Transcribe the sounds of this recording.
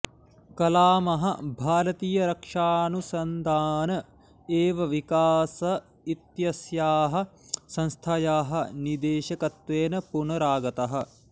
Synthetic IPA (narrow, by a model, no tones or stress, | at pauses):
kɐlaːmɐɦɐ̰bʱaːɾɐt̪iːjɐɾɐkʂaːnusɐnd̪aːnɐ | eːʋɐʋikaːsɐ | it̪jɐsjaːɦɐ̆sɐ̃nst̪ʰɐjaːɦɐnid̪eːʃɐkɐt̪ʋeːnɐpunɐɾaːɡɐt̪ɐɦɐ̆